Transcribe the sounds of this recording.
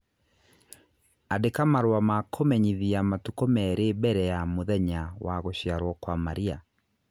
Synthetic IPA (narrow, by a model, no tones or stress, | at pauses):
adekamaɾowamakʰomɛɲiðiamatukɔmɛɾebɛɾɛjamoðɛɲawaɣoɕjaɾwɔkwamaɾia